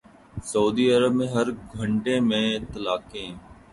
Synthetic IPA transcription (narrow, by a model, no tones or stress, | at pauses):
səuːd̪iːəɾəbmẽːɦəɾɡʱəɳʈẽːmẽːɪt̪ːəlaːkẽː